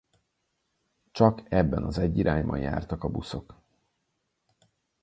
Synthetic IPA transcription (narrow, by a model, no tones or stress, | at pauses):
t͡ʃɒkɛbːɛnɒzɛɟːiɾʔaːɲbɒ̰ɲja̰ːrt̪ɒkɒbuso̞k